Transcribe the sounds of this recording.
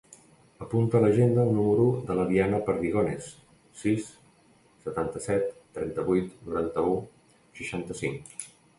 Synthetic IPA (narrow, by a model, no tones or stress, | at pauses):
əpunt̪ələʒend̪əːlˠnuməɾuðələðianəpəɾðiɣonesː | isː | ət̪ant̪əsɛt̪ːɾɛnt̪əβujt̪nuɾant̪əu | ʃəʃant̪əsiŋk